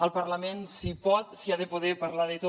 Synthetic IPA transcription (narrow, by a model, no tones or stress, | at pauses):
əlˠpəɾləmenssipɔt̪siaðəpoðɛpəɾlaðət̪o